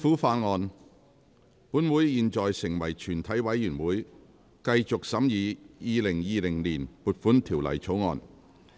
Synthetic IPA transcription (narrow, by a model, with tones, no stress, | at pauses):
fuː˨˥faː˧nŋɔː˧n | puː˨˥nwu˨˥jjiː˨˧nt͡sɔː˨jsɪ˨˩ŋwɐ˨˩jt͡ʃʰyː˨˩nt̪ʰɐ˨˥jwɐ˨˥jːyː˨˩nwuː˨˥j | kɐ˧jt͡sʊ˨k̚sɐ˨˥mjiː˨˧jiː˨˧lɪ˨˩ŋjiː˧lɪ˨˩ŋliː˨˩npuː˨˩t̚fuː˨˥nt̪ʰiː˨˩wlɐ̰˨˩jt͡sʰo˨˥wŋɔ̰ː˧n